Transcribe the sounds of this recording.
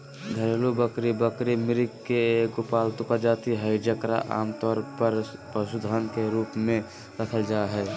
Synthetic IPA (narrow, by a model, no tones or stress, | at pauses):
ɡ̪ʱəɾelubəkɾibəkɾimɪɾɪkkːeeːkʊpaːlt̪ʊkad͡ʒaːt̪iɦəd͡ʒəkɾa̰ʔa̰ːmt̪ɔːɾpəɾpəsud̪ʱaːnkeɾuːpmẽ | ɾəkʰəld͡ʒaːɦɛː